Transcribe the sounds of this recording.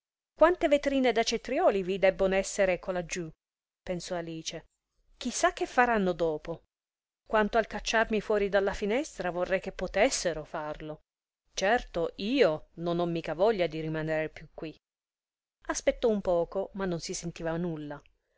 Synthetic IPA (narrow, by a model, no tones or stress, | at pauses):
kwant̪evet̪ɾiːned̪at͡ʃet̪ɾjɔːlivid̪ɛbːonoɛsːeɾekolad͡ʒːu | pensɔaliːt͡ʃe | k̟isːak̟ːefːaɾanːod̪ɔːpo | kwant̪oalkat͡ʃːarmifwɔːɾid̪alːafinɛst̪ɾavorːɛjk̟epːot̪ɛsːeɾofarlo | t͡ʃɛrt̪oʔiːononɔmːiːkavɔʎːad̪iɾimaneɾepjukːwi | aspet̪ːɔumpɔːkomanːonsisent̪iːvanulːa